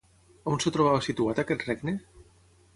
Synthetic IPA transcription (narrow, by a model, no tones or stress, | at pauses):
onset̪ɾoβ̞aβasit̪uat̪aket̪rɛɡne